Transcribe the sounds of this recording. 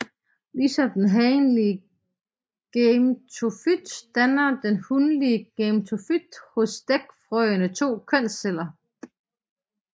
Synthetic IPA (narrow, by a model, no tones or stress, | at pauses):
lisɒ̽md̥enɦɛɪnliə | ɡ̥emt͡sʰofyd̥d̥ænɐd̥enhunliəɡ̥emt͡sʰofyd̥hɔ̽sd̥eɡ̥fʁœɪənət͡sʰo̝̰ːkʰœn̰sel̰ɐ